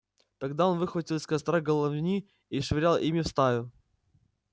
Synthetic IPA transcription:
t̪ɐɡd̪ao̞nvɨxvətʲilˠɪsʲkɐst̪ɾaɡəlˠɐvnʲi | iʂvʲɪɾʲalˠʔimʲɪfst̪ajʊ

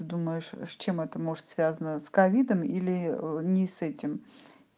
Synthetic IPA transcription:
ɨd̪uməjɪʂsʲt͡ɕemɛt̪əmo̞ʐɨt̪svʲazənəskɐvʲid̪əmilʲɪnʲɪsɛtʲɪm

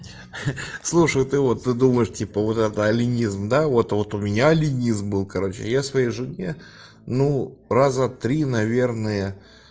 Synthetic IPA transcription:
slˠuʂəjt̪ɨvo̞t̪ːɨd̪uməjɪʂtʲipəvo̞t̪ɛt̪əɐlʲɪnʲizmd̪avo̞t̪vo̞t̪ʊmʲɪnʲaɐlʲɪnʲizmbɨlˠkɐɾo̞t͡ɕɪ̰jasvɐjejʐɨnʲe | nurazət̪ɾʲinɐvʲe̞rnəjə

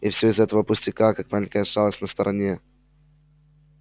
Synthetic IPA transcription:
ɪfsʲoɪzɛt̪əvəpʊsʲtʲɪkakak̚malʲɪŋʲkəjəʂalˠəsʲnəst̪əɾʔɐnʲe̞

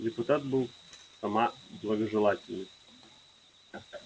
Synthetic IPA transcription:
dʲɪpʊt̪at̪̚bɨlˠsɐmablˠəɡəʐɨlˠatʲɪlʲnɨ

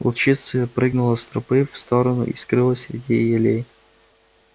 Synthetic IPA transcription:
ʊt͡ɕit̪sɨjəpɾɨɡnʊlˠəst̪ɾʊpɨfst̪oɾənʊ̰ʔḭskɾɨlˠəsʲɾʲɪdʲijɪlʲej

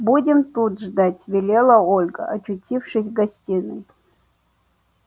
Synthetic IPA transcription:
budʲɪmt̪ut̪ʐd̪atʲvʲɪlʲelˠəolʲɡə̰ʔɐt͡ɕʊtʲifʂɨs̬ʲɡɐsʲtʲinɨj

